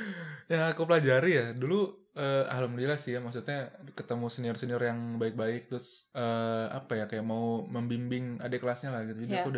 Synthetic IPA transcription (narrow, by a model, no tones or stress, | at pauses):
jakopəlad͡ʒaɾijadulu | əa̰hləmlilasɪjamaksut̪̚ɲakət̪əmusəniɔrsəniɔrjaŋbaɪk̚baɪk̚t̪ɾʊsəːa̰pajakajaʔmauməmbimbɪŋa̰deklasɲalahɡit̪ud͡ʒudiakouda